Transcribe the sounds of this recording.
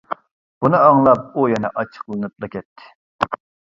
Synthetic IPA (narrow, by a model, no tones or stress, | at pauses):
b̥unɨɑŋlˠɑp̚ujɛnɛ̰ʔɑt͡ʃʰːə̥qlˠɨnɨp̚lˠɨkʲʰɛt̪ʰːɪ̥